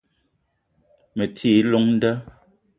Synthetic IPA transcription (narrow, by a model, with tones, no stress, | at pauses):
me˨tʰiː˦˨˦lo˦ŋn̩˦də˦